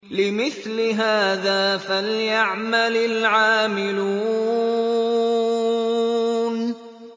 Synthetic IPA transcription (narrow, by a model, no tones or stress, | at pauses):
lɪmɪθlɪɦaːðaːfaljaʕmalɪlʕaːmɪluː | n